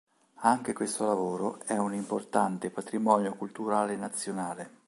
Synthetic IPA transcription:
aŋk̟ekwest̪olavoːɾoɛunimport̪ant̪epat̪ɾimɔnjokult̪uɾaːlenat̪sːjonaːle

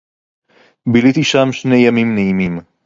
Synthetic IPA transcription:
bilit̪iʃamʃnejɐmimnejimim

